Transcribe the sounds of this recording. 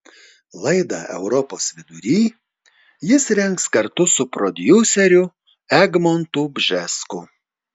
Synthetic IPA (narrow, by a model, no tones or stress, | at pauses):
lˠɐɪd̪ɑ̰ːʔɛ̰ʊɾɔpoːsʋʲɪd̪ʊɾʲiː | jɪsɾʲɛŋkskɐɾt̪ʊsʊpɾɔd̪ʲjuːsʲɛɾʲʊ | ɛɡmɔnt̪uːbʲʒʲɛskʊ